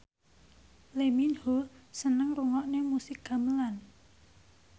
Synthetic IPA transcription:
leminhosənəŋruŋɔʔnemusɪkɡa̤məlan

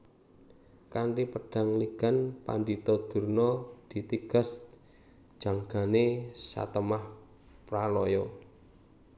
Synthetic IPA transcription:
kaɳɖipəɖ̥a̤ŋliɡ̥a̤npa̰ɳɖit̪ɔd̪̥ṳrnɔd̪̥i̤t̪iɡ̥a̤s | d͡ʒ̥a̤ŋɡ̥a̤nesa̰t̪əmah | pɾalɔjɔ

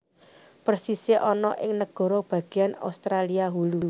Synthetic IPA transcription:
pərsiseʔɔnɔʔɪŋnəɡ̥ɔ̤ɾɔb̥ä̤ɡ̥i̤ana̰wst̪ɾaliaɦulu

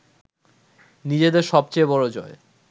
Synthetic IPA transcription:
nid͡ʑed̪eɾʃɔb̚t͡ɕejbɔɾod͡ʑɔe

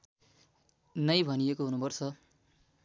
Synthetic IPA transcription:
nʌjbʱʌnijekoɦunupʌrt͡sʰʌ

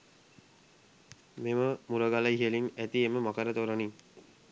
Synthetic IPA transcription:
meməmuɾəɡaləiɦelinæt̪ieməmakəɾət̪oɾəniŋ

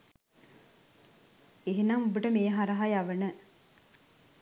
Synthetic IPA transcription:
eɦenaŋubəʈəmeːɦaɾɐɦajaʋənə

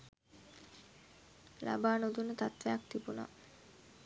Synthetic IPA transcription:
lʔa̰baːnud̪unət̪at̪ʋejakt̪ibuna̰

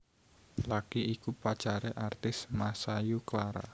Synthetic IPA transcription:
laɡ̥iikupḁt͡ʃaɾɛʔart̪ɪsmasajuklaɾa̰

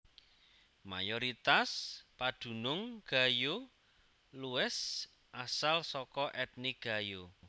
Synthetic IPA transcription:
ma̰joɾit̪aspad̪̥ṳnʊŋɡ̥a̤jo | luɪs | ʔasalsɔkɔʔɛt̪̚niɡ̥a̤jo

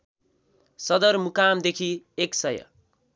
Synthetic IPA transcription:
sʌd̪ʌrmukamd̪ekʰieksʌjʌ̰

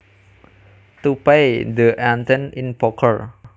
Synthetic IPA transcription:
t̪upejd̪əʔãnt̪ɛ̃nĩnpɔkʰəɹ

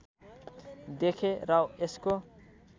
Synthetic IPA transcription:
d̪ekʰeɾawesko

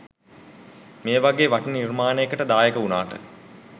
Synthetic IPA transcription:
meːʋaɡeːʋaʈənirmaːnəjəkəʈəd̪aːjəkəunaːʈə̰

